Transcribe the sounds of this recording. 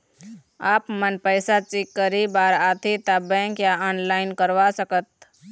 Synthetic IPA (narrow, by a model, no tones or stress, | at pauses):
aːpmənpəɪsat͡ʃikːəɾibaːɾaːt̪ʰit̪abɛ̃ːŋkjaɔːnlaːɪnkəɾʋasəkət̪̚